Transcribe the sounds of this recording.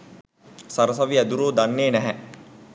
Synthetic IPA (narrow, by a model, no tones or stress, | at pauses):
sɐɾəs̬ɐʋiæd̪uɾoːd̪anːeːnɛɦɛ